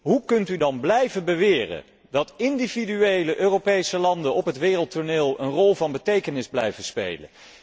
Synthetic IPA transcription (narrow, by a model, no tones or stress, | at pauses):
ɦukɵntydɑnblɛjvənbəʋɪːrə̰ | dɑtɪndividyejləʔøːrowpejsəlɑndənɔpɦətʋɪːrəlˠtʊɹneːlˠənrɔlˠvɑnbətejkənɪzblɛ̰jvənspḛjlə̰n